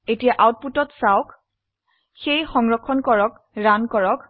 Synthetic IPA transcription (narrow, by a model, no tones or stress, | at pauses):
etijaʔawt̚putɔtsawk | xejxɔŋɹɔkʰːɔnkɔɹɔk | ɹankɔɹɔk